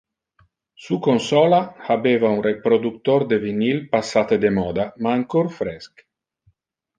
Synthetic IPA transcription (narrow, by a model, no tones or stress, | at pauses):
sukonsɔlahabeːvaunrepɾod̪uk̚t̪oɾd̪evinilpasːat̪ed̪emɔːd̪amaːŋkorfɾɛsk